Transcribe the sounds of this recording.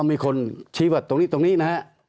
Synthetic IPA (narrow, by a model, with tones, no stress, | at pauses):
mɨ˧əjkʰo˧nt͡ɕʰi˧˦va˨˩t̪̚ːo˧ŋnḭ˧˥t̪o˧nḭ˧˥na˧˦˥